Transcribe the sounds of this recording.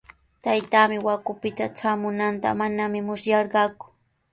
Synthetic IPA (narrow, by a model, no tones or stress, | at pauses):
t̪ajt̪aːmɪwakʊpɪt̪aʈ͡ʂaːmʊnant̪a̰manamɪmʊsjɑɾɢɑːkʊ̥